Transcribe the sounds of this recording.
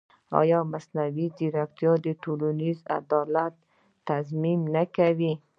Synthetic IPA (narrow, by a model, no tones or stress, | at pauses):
ɑ̰jɑmasnawid̪iɾakt̪ijɔd̪ɪʈuluniza̰d̪ɑlat̪̚ː | azmimnakawi